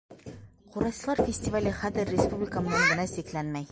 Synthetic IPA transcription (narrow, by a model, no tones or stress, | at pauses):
quɾɑjsɤ̆lˠɑɾfʲɪsʲtʲɪvalʲɘχæðɘrːʲɪspublʲɪkəmɤ̆nɤɴɡɤ̆næsiklænmæj